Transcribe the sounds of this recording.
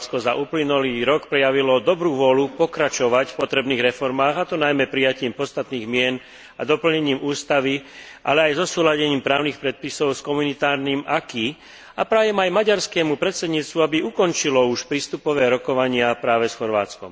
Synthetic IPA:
t͡skɔzaʔuːplinuliːɾɔkpɾɛjaʋilɔd̪ɔbɾuːʋɔlupɔkɾat͡ʃɔʋacfpɔt̪ɾɛbniːɣɾɛfɔɾmaːɣat̪ɔnajmɛpɾijaciːmpɔst̪at̪niːɣmɪɛn | a̰d̪ɔpl̩ɲɛɲiːmuːst̪aʋi | ʔa̰lɛajzɔsuːlaɟɛɲiːmpɾaːʊnixpɾɛt̪̚pisɔʊskɔmunit̪aːɾniːmaki | apɾaːjɛmajmaɟaɾskɛːmupɾɛt̪sɛd̪ɲiːt͡st̪ʋuabiukɔnt͡ʃilɔuʃpɾiːst̪upɔʋɛːɾɔkɔʋaɲɪapɾaːʋɛsxɔɾʋaːt͡skɔ̰m

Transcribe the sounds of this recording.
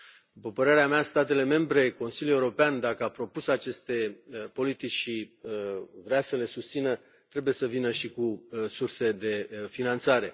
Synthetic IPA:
d̪upəpəɾe̞ɾeameast̪at̪̬e̞le̞me̞mbɾe̞ko̞nsilʲuje̞uɾo̞peand̪akəapɾo̞pusat͡ʃe̞st̪e̞po̞lit̪it͡ʃʲʃi | vɾeasəle̞sust̪sinə | t̪ɾe̞buje̞səvinəʃikusurse̞d̪e̞finant̪saɾe̞

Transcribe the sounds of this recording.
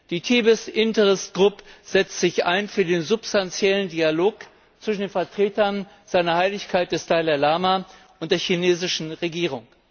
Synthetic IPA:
d̥iːtʰiːbɪsʔɪntəʁɪstɡ̥ʁʊpəz̥ɛt͡stz̥ɪçʔa̰ɪnfyːɐdeːnzʊpstant͡sjɛləndialoːk | t͡sv̥ɪʃn̩deːnfɛɐtʁ̥eːtɐn | z̥aɪnɐhaɪlɪçkʰaɪt̚d̥ɛstaɪlalaːma | ʔʊntd̥eːɐçineːzɪʃn̩ʁeɡiːʁ̞ʊŋ

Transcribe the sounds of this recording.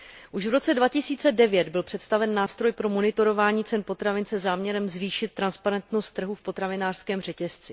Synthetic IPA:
ʔuʃvɾo̞t͡sɛdvacɪsiːt͡sɛdɛvjɛd̪bɪlpr̥ɛt̪st̪avɛnːaːst̪ɾo̞jpɾo̞monɪt̪o̞ɾo̞vaːɲiːt͡sɛnpo̞t̪ɾavɪnt͡sɛzaːmɲɛɾɛmzviːʃɪt̪̚ːɾanspaɾɛnt̪nost̪ːr̩ɦufpo̞t̪ɾavɪnaːr̥skɛːmr̝ɛcɛst͡sɪ

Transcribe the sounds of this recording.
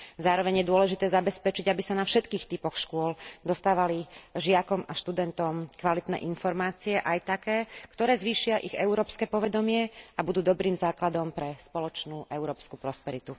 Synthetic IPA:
zaːɾɔʋɛɲjɛd̪ʊɔlɛʒit̪ɛːzabɛspɛt͡ʃiɟabisanafʃɛt̪kiːxt̪ipɔxʃkʊɔld̪ɔst̪aːʋaliʒɪakɔmaʃt̪ud̪ɛnt̪ɔmkʋalit̪nɛ̰ːʔinfɔɾmaːt͡siɛʔajt̪akɛːkt̪ɔɾɛːzʋiːʃɪaʔiɣɛuɾɔːpskɛːpɔʋɛd̪ɔmɪɛabud̪uːd̪ɔbɾiːmzaːklad̪ɔmpɾɛspɔlɔt͡ʃnuːʔɛʊɾɔːpskupɾɔspɛɾit̪u

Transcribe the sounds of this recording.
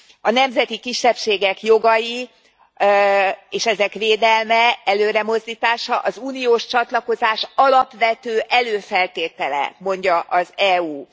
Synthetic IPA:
ɒnɛmzɛt̪ikiʃːɛpʃeːɡɛkjo̞ɡɒji | eːʃɛzɛkʋeːd̪ɛlmɛɛløːɾɛmo̞zd̪iːt̪aːʃɒʔɒzuːnijoːʃt͡ʃɒt̪lɒko̞zaːʃɒlɒpʋɛt̪øːʔɛløːfɛlt̪eːt̪ɛlɛ̰mo̞ɲɟɒʔɒzɛuː

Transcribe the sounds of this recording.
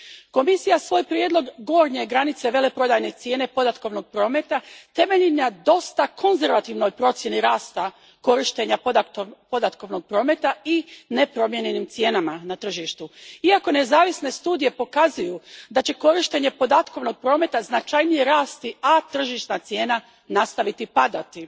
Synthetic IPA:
ko̞misijasʋo̞ːjpɾjed̪lo̞ɡɡo̞ːɾɲeɡɾanit̪se̞ʋe̞le̞pɾo̞d̪aːjne̞t̪sje̞ːne̞po̞d̪at̪ko̞ʋno̞ɡ̚pɾo̞ːme̞t̪at̪e̞me̞ʎinad̪o̞st̪akʰo̞nze̞ɾʋat̪iʋno̞jpɾo̞t̪sje̞niɾaːst̪a | ko̞ɾiʃt̪e̞ɲap̪po̞d̪at̪ko̞ʋno̞ɡ̚pɾo̞ːme̞t̪aine̞pɾo̞mje̞ɲenimt̪sje̞ːnamanat̪r̩ʒiʃt̪uiako̞ne̞zaːʋisne̞st̪uːd̪ije̞po̞kazujud̪at͡ɕe̞ko̞ɾiʃt̪e̞ɲe̞po̞d̪at̪ko̞ʋno̞ɡ̚pɾo̞ːme̞t̪aznat͡ʃajnije̞ɾaːst̪iat̪r̩ʒiʃnat̪sje̞ːna | nast̪aʋit̪ipad̪at̪i

